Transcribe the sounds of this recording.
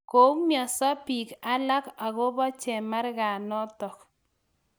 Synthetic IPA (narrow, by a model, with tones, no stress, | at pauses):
ko˨˦ŋmja˨sa˦pi˨ka˦la˦ka˨ɣo˦bɔ˦t͡ʃɛ˨ma˦ɾɣa˨nɔ˦tɔ˨k